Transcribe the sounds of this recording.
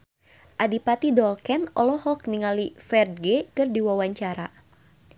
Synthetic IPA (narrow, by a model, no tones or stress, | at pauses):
ʔadipat̪idɔlkɛnɔ̰lɔɦɔk̚niŋalifɛrd̪̚ɡekɨrdiwawaɲt͡ʃaɾa̰